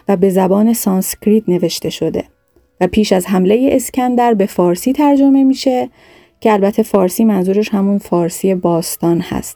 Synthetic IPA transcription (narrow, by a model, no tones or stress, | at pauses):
væbe̞zæbɒːne̞sɒːnscʰɾiːt̪ne̞ve̞ʃt̪e̞ʃo̞d̪e̞̰ | væpʰiːʃæzɦæmlejeʔescʰænd̪æɾbe̞fɒːɾsiːt̪ʰæɾd͡ʒo̞me̞miːʃe̞ | cʰeælbæt̪ʰe̞fɒːɾsiːmænzuːɾe̞ʃhæmunfɒːɾsiːe̞bɒːst̪ɒːnhæ̰st̪̚